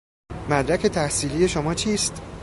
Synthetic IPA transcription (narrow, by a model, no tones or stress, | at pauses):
mæd̪ɾæcʰʲe̞t̪ʰæhsiːliːje̞ʃomɒːt͡ʃʰiːst̪